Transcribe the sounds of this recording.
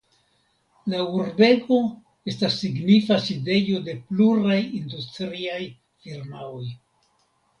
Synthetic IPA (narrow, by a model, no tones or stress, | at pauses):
lauɾbe̞ɡo̞ | e̞stasːiɡnifaside̞jo̞de̞pluɾajindustɾiaj | fiɾmao̞j